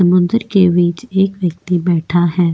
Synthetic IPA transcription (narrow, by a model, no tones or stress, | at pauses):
ɐmʊ̃nd̪əɾkeʋiːt͡ʃeːkʋjək̚t̪ibɛːʈʰaɦɛː